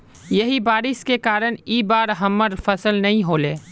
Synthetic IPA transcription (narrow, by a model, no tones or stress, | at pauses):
jɐɦibaːɾɪskekaːɾəñiːbaːɾɦɐmːəɾfɐsəlnɐɦĩɦoːleː